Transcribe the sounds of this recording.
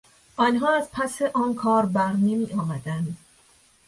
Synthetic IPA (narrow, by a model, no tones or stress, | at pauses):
ʔɒːnɦɒːæzpʰæseʔɒːnkʰɒːɾbæɣnimiːʔɒːmæd̪ænd̪